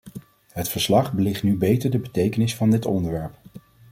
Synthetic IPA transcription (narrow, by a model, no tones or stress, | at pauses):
ɦətfəɹslɑχbəlɪχtnybejtəɹdəbətejkənɪsfɑndɪtɔ̰ndəɹʋɛɹp